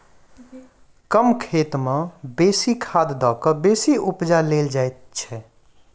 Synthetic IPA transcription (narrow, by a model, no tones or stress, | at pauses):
kəmkʰeːt̪mãbeːsikʰaːd̪d̪ɔːkəɾbeːsiʔʊpd͡ʒaleːld͡ʒaet̪t͡ʃʰɛ